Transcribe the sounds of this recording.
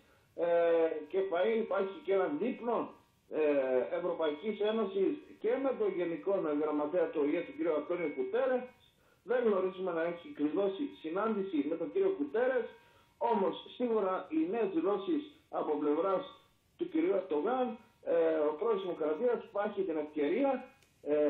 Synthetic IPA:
ece̞pɐiipɐɾçice̞nɐðipno̞ | evɾo̞pɐicise̞no̞sisce̞me̞t̪o̞ɲʝe̞niko̞nɣɾɐmɐt̪e̞ɐt̪uojet̪uciɾiuɐnt̪o̞niukut̪e̞ɾe̞s | ðe̞ɣno̞ɾizume̞nɐe̞çikɾiðo̞sisinɐnd̪isime̞t̪o̞ɟiɾio̞kut̪e̞ɾe̞s | o̞mo̞sːiɣuɾɐine̞ːzðilo̞sis | ɐpo̞ple̞vɾɐs | t̪uciɾiueɾd̪o̞ɣɐn | eopɾo̞ozðimo̞kɾɐt̪iɐsi̥pɐɾçit̪ine̞fce̞ɾiɐ

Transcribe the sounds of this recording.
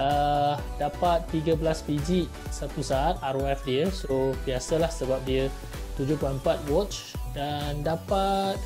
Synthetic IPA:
ə | dapat̪ːiɡəblaspid͡ʒi | sat̪usaat̪̚aɾɛfdiəsobiasəlahsəbap̚diə | t̪ud͡ʒʊhplaəmpat̪̚wɔt͡ʃ | dandapat̪̚

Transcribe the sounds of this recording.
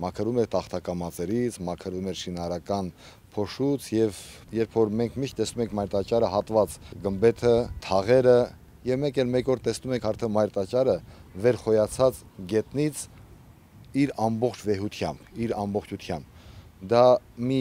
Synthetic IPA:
mɑkʰəɾumɛɾt̪ɑχt̪ʰɑkɑmɑt͡sɛɾit͡sʰmɑkʰəɾvumɛɾʃinɑɾɑkɑn | pʰɔʃut͡sʰjɛv | jɛɾpʰfɔɾmɛŋkʰmiʃt̪̚t̪ɛsnumɛŋkʰmɑjɾt̪ɑt͡ʃɑɾəɦɑt̪vɑt͡sɡəmbɛt̪ʰət̪ʰɑʁɛɾə | jɛvmɛŋkɛlmɛkɔɾt̪ɛsnumɛŋkʰɑɾt̪ʰɛmɑjɾt̪ɑt͡ʃɑɾəvɛɾχɔjɑt͡sʰɑt͡s | ɡɛt̪nit͡sʰ | iɾɑmbɔχt͡ʃʰvɛɦut̪ʰjɑ̰mbiɾɑmbɔχt͡ʃʰut̪ʰjɑmbd̪ɑmi

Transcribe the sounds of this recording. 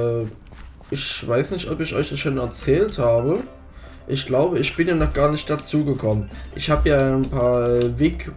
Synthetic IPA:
ʔɪçv̥aɪsnɪçtʔɔpɪçʔɔ̰ʏçd̥asʃoːnɛɐt͡sɛːlthaːbə | ʔɪçɡ̥laʊbəɪçb̥ɪnjaːnɔχɡ̥aːɐnɪçtd̥at͡suːɡəkʰɔmənʔɪçhaːbəjaːnpʰaːɐvɪk

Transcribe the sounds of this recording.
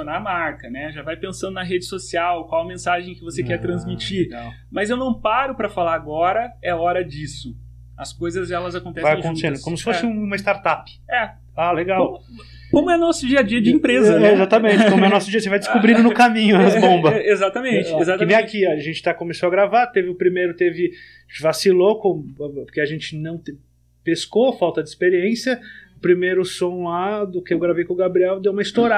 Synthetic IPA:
onamaɾkɐnɛʒavajpẽsɐ̃nd̪ʊnɐɦed͡ʒɪsosiawkwawɐmẽsaʒẽj̃kɪvosekɛɾt̪ɾɐ̃zmit͡ʃiɾ | mɐzewnɐ̃w̃paɾʊpɾɐfalaɾaɡɔɾɐɛɔɾɐd͡ʒisʊ | ɐskojzɐzɛlɐzakõnt̪ɛveajɐ̃kõt̪esẽnd̪ʊkõmʊsɪ̥fosɪũũmɐɪst̪aɾt̪apɪ̥ɛ | aleɡaw | kõmʊɛnɔsʊd͡ʒiɐd͡ʒiɐd͡ʒɪĩpɾezɐɛezat̪ɐmẽt͡ʃɪkõmmɛnɔsʊd͡ʒiɐsevajd͡ʒ̪ɪskubɾĩd̪ʊnʊkamĩɲʊbõbɐezat̪ɐmẽt͡ʃɪezat̪ɐnẽãkiɐʒẽnt͡ʃɪ̥t̪akomesoɐɡɾavat̪evɪʊpɾimejɾʊt̪evɪ | vasilokõpʊɾkeɐʒẽnt͡ʃɪnɐ̃w̃t̪e | peskofawt̪ɐd͡ʒɪispeɾiẽsjɐʊpɾimejɾʊsõlad̪ʊkɪewɡɾavejkõɡabɾiɛwd̪ewũmɐist̪oɾa

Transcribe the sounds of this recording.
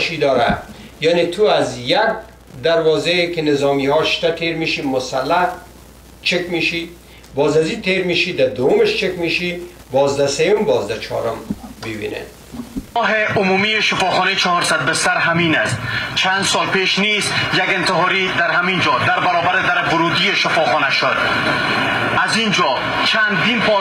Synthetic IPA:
ʃid̪ɒːɾa̰ | janet̪ʰuazjaɡ̚ | d̪aɾwɒːzekenɪzɒmihɒʃt̪at̪ʰeɾmiʃimʊsalːah | t͡ʃʰekmiʃi | bɒːzazit̪ʰeɾmiʃid̪ad̪owʊmeʃt͡ʃekmiʃi | bɒːzd̪asejʊmbɒːzd̪at͡ʃʰɒ̰ːɾʊ̰mbibḭnḛd̪ | ɔɦeʔʊmumijeʃɪfɒxɔnet͡ʃʰɔhɔɾsad̪̚bɪsaɾɦaminast̪t͡ʃʰand̪sɔlpeʃnizjaɡɪnt̪ɪɦɔɾid̪aɾhamind͡ʒɔd̪aɾbaɾɔbaɾed̪aɾbʊɾud̪ijeʃɪfɒxɔnaʃʊd̪ | azind͡ʒɔ | t͡ʃʰand̪inpʰɒ

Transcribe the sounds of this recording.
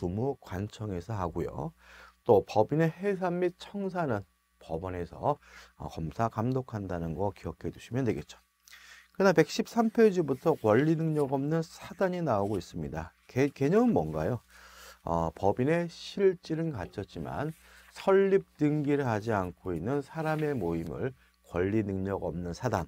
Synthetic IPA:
tumukwant͡ɕʰʌŋe̞sʰʌɦaɡojo̰t͈opʌbine̞he̞s̬ʰamːit̚t͡ɕʰʌŋs̬ʰanɯn | pʌbʌne̞sʰʌ̰ʌ̰kʌmsʰakamdokʰandanɯnɡʌkiʌkʰeduɕʰimjʌndwe̞ɡe̞̰t̚t͡ɕ͈o̥ | kɯnape̞k̚ɕ͈ip̚s͈ampʰed͡ʑubutʰʌkwʌʎːinɯŋɲʌɡʌmnɯnsʰadaɲinaoɡois͈ɯmɲida | keke̞ɲʌŋɯnmwʌnɡajo | ʌ̰pʌbine̞ɕʰiɭt͡ɕ͈iɾɯnkat͡ɕʰʌt̚t͡ɕ͈ima̰n | sʰʌɭːip̚t͈ɯŋɡiɾɯɭhad͡ʑiankʰoinːɯnsʰaɾame̞moimɯ̰ɭ | kwʌ̰ʎːinɯŋɲʌɡʌ̰mnɯnsʰadan

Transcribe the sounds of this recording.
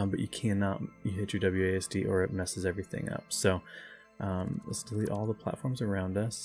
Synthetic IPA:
bʌt͡ʃɨkʰæ̃nɑt̚jɨɦɪt͡ʃə˞dʌblˠjʉeɪɛsd̥iʔə˞ɨt̚mɛsɨzɛvɹiθɪ̰̃ŋʌ̰psoʊ | ʔʌ̃mə̰tsd̥əliɾʔɔlˠðəpʰl̥æ̰tfɔɹmzə˞ãʊ̃ndʌs

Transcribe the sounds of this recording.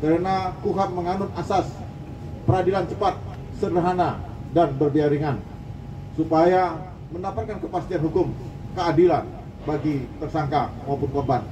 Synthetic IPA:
kəɾənakuɦat̪̚məŋanʊnasas | pəɾadilant͡ʃəpat̪̚ | sərdəɦanadandɔdiaɾiŋan | supaja | mənapat̪̚kankəpast̪ianɦukʊmkəadilan | baɡit̪ərsaŋkamaupʊnkɔrban

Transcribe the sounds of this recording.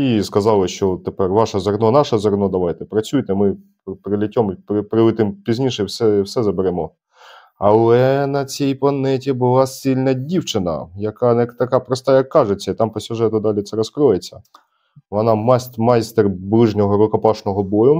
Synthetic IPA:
iskɐzɑlˠɪʃt͡ʃɔt̪ːepɛrʋɑʃɐzɔrnɔnɑʂɐzɔrnɔd̪ɐʋɑjt̪ɛpɾɐt͡sʲujt̪ɛmɪ | pɾɪlʲɪtʲɔmpɾɪpɾɪʋɪt̪ɪmpʲizʲnʲiʃɛiwsɛiwsɛzɐbeɾɛmɔ | ɐlˠɛnɐt͡sʲɛjpɐnɛtʲibʊlˠɑsilʲnɐdʲiwt͡ʃɪnɐ̰jɐkat̪ɐkapɾɔst̪ɑjɐkːɑʐet͡sʲːɐit̪ɑmpɔsʲʊʐɛt̪ʊd̪ɑlʲɪt̪sɛɾɐskɾɔjet͡sʲːɐ | ʋɔnɑmasmɑjst̪erblˠɪʒnʲɔɦɔɾʊkɐpɑʂnɔɦɔbɔjʊ

